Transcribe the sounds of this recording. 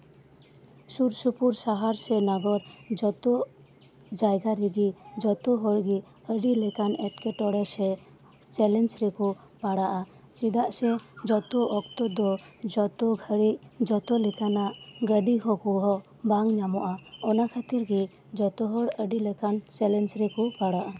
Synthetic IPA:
suɾsupuɾsaɦaɾsɛnaɡɔɾd͡ʒɔt̪ɔ | d͡ʒajɡaɾiɡid͡ʒɔt̪ɔɦɔɽɡi | əɖilɛkanɛʈkɛʈɔɽɛsɛ | t͡ʃɛlɛnsɾɛkɔ | paɽaʔa | t͡ʃid̪aʔsɛd͡ʒɔt̪ɔʔɔkt̪ɔd̪ɔd͡ʒɔt̪ɔɡʱəɽiʔd͡ʒɔt̪ɔlɛkanaʔɡəɖiɡɔkɔɦɔ | baŋɲamɔʔaɔnakʰat̪iɾɡi | d͡ʒɔt̪ɔɦɔɽəɖilɛkant͡ʃɛlɛnsɾikɔpaɽaʔa

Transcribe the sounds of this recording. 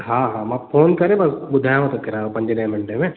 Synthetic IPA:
ɦãːɦãːmãːpʰoːnkɐɾẽbɐsbʊd̪ʱaːjmõt̪okɪɾaːopɐ̃ɲd͡ʒnẽːmɪɳʈemẽː

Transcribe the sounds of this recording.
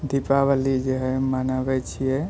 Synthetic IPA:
d̪ipabəlid͡ʒeɦɛmanəbɛt͡ʃʰijɛ

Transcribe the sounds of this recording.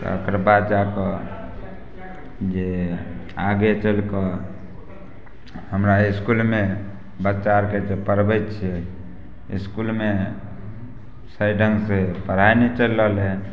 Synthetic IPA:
t̪ə̰kəɾbad̪d͡ʒakɔ | d͡ʒe | aɡet͡ʃəlkə | həmɾaiskulme | bət͡ʃaɾked͡ʒepəɾbɛt̪t͡ʃʰɛ | ḭskulme | səjɖʱənsepəɾ̤ajnet͡ʃəlːəlɦe

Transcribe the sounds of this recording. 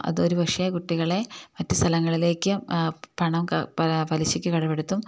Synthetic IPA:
ʔɐ̰ðo̞ɾuʋɐkʂɐjɐkuʈːiɣɐɭe̞mɐtːɨst̪ʰɐlɐŋːɐɭile̞ːkʲːɨpɐɳɐmkɐɐpɐliɕikʲːɨkɐɽɐpːeɽut̪ːum

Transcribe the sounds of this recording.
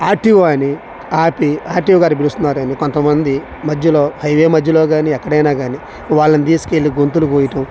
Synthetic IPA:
aːɾʈiʋaːni | aːpiaːɾʈiʋɡaːɾip̬ilust̪unːaːɾuɐniko̞nt̪ɐmɐnd̪i | mɐd͡ʒːɐlo̞ːhɐjʋeːmɐd͡ʒːɐlo̞ːɡaːniɛkːɐɽɐjnaːɡaːni | ʋaːɭːɐnit̪̬iːsu̥ke̞lːiɡont̪ulukuːjiʈɐm

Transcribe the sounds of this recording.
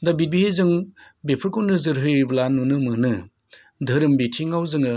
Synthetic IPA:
dabibihezɯŋ | bepʰɯɾkownɯzɯɾɦɯjɯblanunɯmɯnɯ | dʱɯɾɯmbitʰiŋawzɯŋɯ

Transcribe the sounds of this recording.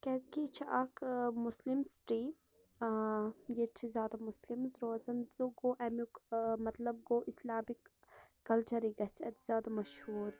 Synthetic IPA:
kɛzkiːt͡ʃʰiʔɐkmʊslimsʈiː | jet͡ʃʰizʲjaːd̪amʊslimzɾoːzɐnzoɡoːʔɛmukmɐt̪lɐb̚ɡoːʔɪslaːmikː | ɐlt͡ʃɐɾiɡɐt͡sʰɛt̪z̥jaːd̪amɐʃhuːɾ

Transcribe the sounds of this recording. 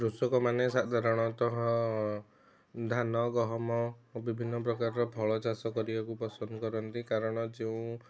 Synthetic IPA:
ɾusɔkɔmanesad̪ʱaɾɔɽ̃ɔt̪ɔɦɔ̃ | d̪ʱanɔɡɔɦɔmɔbibʱinːɔp̬ɾɔkaɾɔɾɔpʰɔɭɔt͡ʃasɔkɔɾibakupɔsɔnd̪ɔkɔɾɔnt̪ikaɾɔɽ̃ɔd͡ʒeũ

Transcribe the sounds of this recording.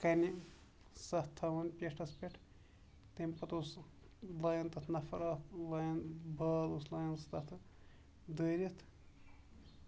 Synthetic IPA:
kɐni | sɐt̪ʰɐʋɐnpʲeʂʈʰɐspʲeʈʰ | t̪emʲpɐt̪uːs | lɐjɐnt̪ɐt̪ʰnɐfʰɐɾɐːklɐjɐnbʱɐːluslɐjɐnst̪ɐt̪ʰɨ | d̪əːɾit̪ʰ

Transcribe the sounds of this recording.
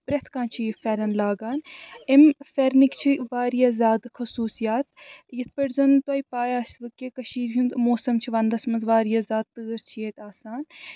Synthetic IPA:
pɾʲet̪ʰkãːnt͡ʃʰifɐɾɐnlaːɡaːnemfʲeɾnikt͡ʃʰiʋaːɾjazʲaːd̪xʰɐsuːsijaːt̪jɐt̪̚ʰpɐɽzɐnt̪wɐipaːjaːsʲt̪ʋɐkːekɐʃiːɾɦũnt̪moːsɐmt͡ʃʰiʋɐnd̪ɐsmɐnzʋaːɾijazʲaːd̪̚t̪ɨːɾt͡ʃʰijeːt̪aːsaːn

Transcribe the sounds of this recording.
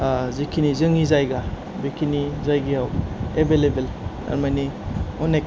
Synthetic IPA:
zikʰinizɯŋizajɡa | bikʰinizajɡiɦawebelebel | a̰ɾmajniɔnek

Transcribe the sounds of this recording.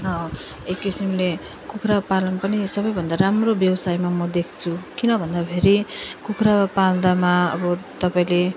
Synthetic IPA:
ɦʌ | ekːisimle | kukʰrapalʌnpʌnisʌbʌjbʱʌnd̪aɾamrobjʌwsajmamʌd̪ekʰt͡sʰukinʌbʱʌnd̪abʱeɾikukʰrapald̪amaʌ̰bʌt̪ʌpaĩle

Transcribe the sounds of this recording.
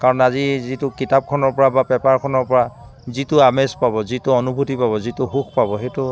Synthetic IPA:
kaɹɔnazizitʊkitap̚kʰɔnɔɹpɔɹabapɛpaɹkʰɔnɔɹpɔɹa | zitʊamespabɔzitʊɔnubʱutipabɔzitʊɦukpabɔɦetʊ

